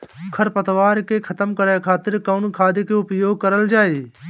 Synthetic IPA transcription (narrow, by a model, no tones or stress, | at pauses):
kʰəɾpət̪ʋaːɾkekʰət̪əmkəɾaːjkʰaːt̪ɪɾkaʊnkʰaːd̪ikeʊpjoːɡ̚kəɾəld͡ʒaːeː